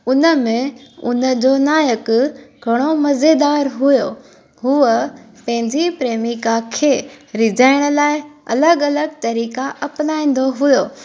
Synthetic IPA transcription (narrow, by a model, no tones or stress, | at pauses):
ʊnə̆mẽʊ̰nə̆d͡ʑonaːjəkɡʱɐɽ̃omɐzed̪aːɾɦujo | ɦuə | pɐ̃ɦɪ̃ɲd͡ʑipɾeːmikakʰeːɾɪd͡ʑaːɪɽ̃̆laːɪɐ̰ləɡɐləɡt̪ɐɾiːkaʔɐplaːĩːn̆d̪oɦʊjoː